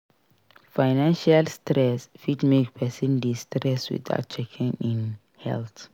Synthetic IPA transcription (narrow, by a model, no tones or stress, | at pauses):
faɪnãnʃalstɾɛsfitmekpʰɛsĩndistɾɛswḭd̪a̰ʊt̚t͡ʃʰɛkʰĩŋĩn | hɛ̰lt̪